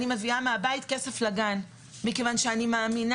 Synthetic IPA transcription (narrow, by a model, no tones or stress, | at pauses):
nimeviameabait̪keseflaɡan | mikevanʃeanimaːmin